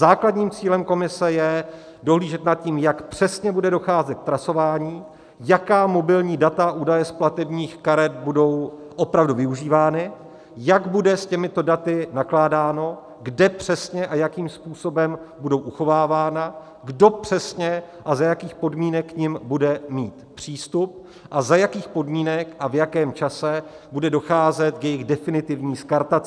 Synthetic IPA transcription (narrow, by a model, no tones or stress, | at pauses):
zaːkladɲiːmt͡siːlɛmko̞mɪsɛjɛ | do̞ɦliːʒɛt̪nat̪̚ciːmjakpr̝̥ɛsɲɛbudɛdo̞xaːzɛt̪̚k̚t̪ɾaso̞vaːɲiː | jakaːmo̞bɪlɲiːdat̪aʔuːdajɛsplat̪ɛbɲiːxkaɾɛt̪̚budo̞w | ʔo̞pɾavduvɪuʒiːvaːnɪ | jaɡbudɛscɛmɪt̪o̞dat̪ɪnaklaːdaːno̞ | ɡdɛpr̥ɛsɲɛʔajakiːmspuːso̞bɛmbudo̞wʔuxo̞vaːvaːna | ɡdo̞pr̝̥ɛsɲɛ | ʔazajakiːxpo̞dmiːnɛkːɲɪmbudɛmiːt̪pr̝̥iːst̪up̚ | ʔazajakiːxpo̞dmiːnɛkʔavjakɛːmt͡ʃasɛ | budɛdo̞xaːzɛt̪̚kjɛjɪɣdɛfɪnɪt̪ɪvɲiːskaɾt̪at͡s